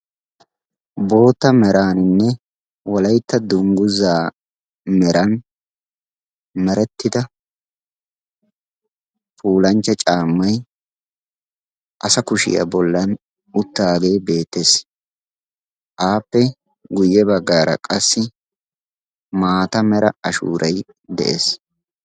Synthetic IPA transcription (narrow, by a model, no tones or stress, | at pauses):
bo̞ːt̪ːɐmɛɾaːnɪnːɛ | wɔlɐjt̪ːɐd̪ʊŋɡʊzaː | mɛɾɐn | mɛɾɛt̪ːɪd̪ɐ | pʰuːlɐnt͡ʃːɐt͡ʃʼaːmːɐj | ʔɐsɐkʊʃɪ̰jɐ̰bɔlːɐn | ʊt̪ːaːɡe̞ːbe̞ːt̪ːes | ʔaːpːɛ | ɡʊjːɛbɐɡːaːɾɐ̰kʼɐsːɪ | maːt̪ɐmɛɾɐɐʃṵːɾʔɐj | d̪ɛ̰ʔḛːs